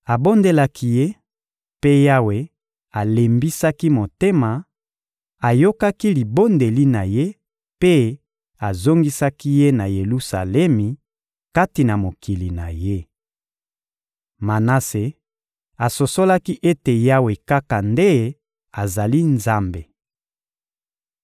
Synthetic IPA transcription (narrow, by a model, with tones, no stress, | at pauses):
a˨bo˦nde˦la˦ki˦je˦ | pe˦ja˦we˨ | a˨le˨mbi˦sa˦ki˦mo˨te˦ma˨ | a˨jo˦ka˦ki˦li˨bo˦nde˨li˦na˨je˦ | pe˦ | a˨zo˦ŋɡi˦sa˦ki˦je˦na˨je˨lu˦sa̰˨lɛ˦mi˨ | ka˦ti˨na˨mo˨ki˨li˨na˨je˦ | ma˨na˦se˨ | a˨so˨so˦la˦ki˦ʔe˦te˨ja˦we˨ka˦ka˨nde˦ | a˨za˨li˦nza˦mbe˨